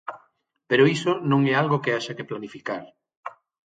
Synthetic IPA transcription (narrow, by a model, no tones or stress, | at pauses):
peɾoisonõŋɛalɣokeaʃakeplanifikaɾ